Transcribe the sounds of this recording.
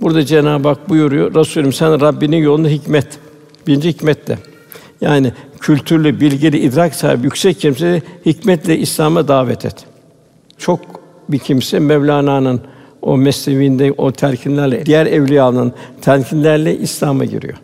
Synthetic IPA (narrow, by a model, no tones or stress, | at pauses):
buɾd̪ad͡ʒenaːbak̚bujuɾujoɾasuːlʲimsænɾabːininjo̞lˠunaɦicmɛt̪ | biɾind͡ʒihicmɛt̪ʰlʲɛ̰ | jaːnɪcʰylʲt̪ʰyɾlʲybilʲɟilʲiʔːd̪ɾaksa̰ːḭbijycʲsɛcʰːims̬ed̪ɛhicmɛt̪lʲɛʔislʲaːmad̪aːvɛt̪ʰɛ̰t̪ | t͡ʃʰo̞k̚ | bicʰimsɛmɛvlʲaːnaːnɯno̰mɛst̪evind̪ɛʔot̪ʰæɾcʰinlʲæɾlʲɛd̪ijæɾɛvlʲijanɯnt̪ʰæɾcʰinlʲæɾlʲɛʔislʲaːma̰ɟḭɾḭjo̰